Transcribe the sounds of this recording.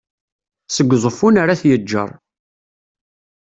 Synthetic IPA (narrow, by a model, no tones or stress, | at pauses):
səɡʷːzˤəfunaɾaθjəd͡ʒːə̰ɾˤ